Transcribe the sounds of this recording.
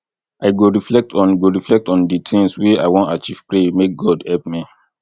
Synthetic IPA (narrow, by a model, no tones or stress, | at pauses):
aɪɡoɹiflɛk̚tɔ̃nɡoɹiflɛk̚tɔ̃nditʰĩŋswea̰ɪwɔ̃ntat͡ʃiv̥pɹemek̚ɡɔdhɛlpmi